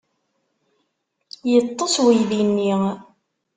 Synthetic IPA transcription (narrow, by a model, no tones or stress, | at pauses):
jət̪ˤːoswijðinːi